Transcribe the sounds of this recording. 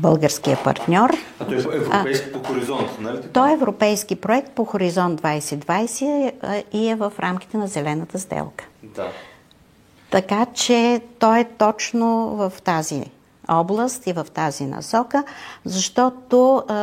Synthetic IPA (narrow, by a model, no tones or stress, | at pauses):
bɤlˠɡəɾsk̟ijəpɐ̰ɾt̪nʲɔɾt̪ɔɛɾɛjoxoɾizɔnt̪nt̪ɔɛɛvɾopɛjskipɾoɛk̚t̪̚poxoɾizɔntd̪vajsɛd̪vajsɛiɛvəfɾʔamk̟i̥t̪ɛnɐzɛlɛnət̪əzd̪ɛ̰lˠkə̥d̪a | t̪ɐkat͡ʃɛt̪ɔɛt̪ɔt͡ʃnovəft̪azḭ | ɔblˠəst̪ivəft̪azinɐ̰sɔkəzɐʃt̪ɔt̪o